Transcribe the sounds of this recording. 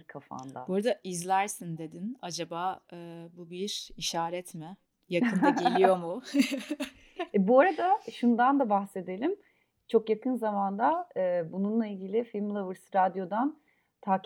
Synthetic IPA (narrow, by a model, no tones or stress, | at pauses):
ɾkʰafa̰nd̪a̰boɾad̪aʔizlʲæɾsind̪e̞d̪inad͡ʒabaːɯbubiɾ̥iʃaːɾɛt̪mɪ | jakʰɯnd̪aɟelʲijjo̞mu | ɛbuaɾad̪aʃund̪and̪abaxse̞d̪e̞lʲim | t͡ʃʰo̞kjakɯnzamand̪aɯːbununlˠailʲɟilʲɪfilʲmlˠavɯɾsɾad̪jo̞d̪an | t̪ʰaːk